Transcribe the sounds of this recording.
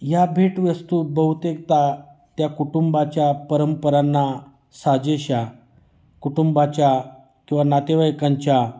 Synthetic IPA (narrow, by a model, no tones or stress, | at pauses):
jabʱiːʈʋəst̪uːbəɦut̪ek̚t̪at̪jakuʈumbat͡ɕjapəɾəmpəɾanːa | sad͡ʑeɕa | kuʈumbat͡ɕja | kĩw̃ʋanat̪eʋajkaɲt͡ɕja